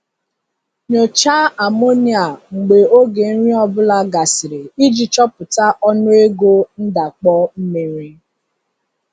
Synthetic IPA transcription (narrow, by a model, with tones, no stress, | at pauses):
ɲo˨t͡ʃa˦a˨mo˦ni˨a˨ŋ͡m̩˨ɡ͡be˨o˦ɡe˨n̩˦ɾi˦ɔ˦bʊ˦la˨ɡa˨sɪ˨ɾe˨i˦d͡ʒi˨t͡ʃɔ˦pʊ˨ta˦ʔɔ˦nʊ˦e˦ɡo˦n̩˦da˨k͡pɔ˦m̩˦me˨ɾi˦